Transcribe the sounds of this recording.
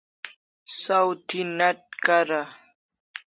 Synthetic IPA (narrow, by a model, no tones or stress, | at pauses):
sawt̪ʰinɐʈ̚kaɾa